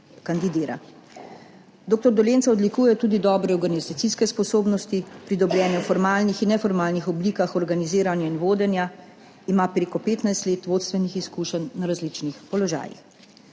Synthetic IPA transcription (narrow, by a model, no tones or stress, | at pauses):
kand̪id̪eːɾa̰ | d̪oːk̚t̪ɔɾd̪ɔljeːntsaɔd̪likuːjɛt̪uːd̪id̪ɔːbɾɛɔɾɡanizat̪siskɛspɔsoːbnɔst̪ipɾid̪ɔbljɛːnɛwfɔɾmaːlnixinːɛfɔɾmaːlnixɔbliːkaxɔɾɡaniziːɾanjainʋoːd̪ɛnja | imaːpɾeːkɔpeːt̪najst̪leːt̪ʋoːt̪st̪ʋɛnixiskuːʃənːaɾazlit͡ʃnixpɔlɔʒa̰ːjḭx